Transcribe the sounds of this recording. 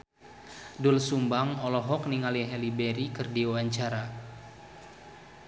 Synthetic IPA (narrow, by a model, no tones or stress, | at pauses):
dʊlsumbamɔlɔɦɔk̚niŋaliɦɛlibeɾikɨrdiawaɲt͡ʃaɾa